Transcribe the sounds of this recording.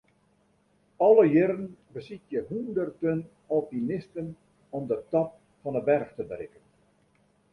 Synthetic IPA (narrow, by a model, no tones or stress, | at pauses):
ɔləjɪɾənbəsitjəɦundərtən | ɔlˠpinɪstən | ɔmdətɑp̚ | fɑnəbɛrxtəbərɪkən